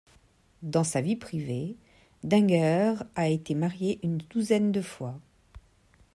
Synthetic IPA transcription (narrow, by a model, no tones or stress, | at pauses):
d̪ɑ̃savipχive | d̪ɛ̃ɡœʁaet̪emaʁjeʔynd̪uzɛnd̪əfwa